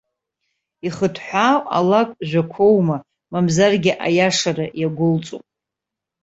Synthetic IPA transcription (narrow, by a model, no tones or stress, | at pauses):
iχətʰħʷaːwa̰lakʼʒʷᶣakʷʰowma | mamzarɡʲɪʔa̰jaʂarajaɡʷʊlt͡sʼṵpʼ